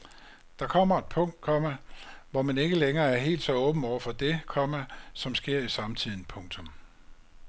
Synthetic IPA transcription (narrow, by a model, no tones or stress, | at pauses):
d̥ɑ̈kʰɒ̽m̰ɐed̥̚pʰɔ̽ŋ̰d̥̚kʰɒ̽mæʋɒmæne̝ɡ̥əleŋɐːæɐɦe̝̰ːld̥sɒ̽ɔ̽ːb̥n̩ɒʊ̰ɐfɒ̽d̥e̝kʰɒ̽mæsɒ̽msɡ̥e̝ɐ̰isɑ̈mt͡sʰið̞̰ˠn̩pʰɔ̽ŋt͡sʰɔ̽m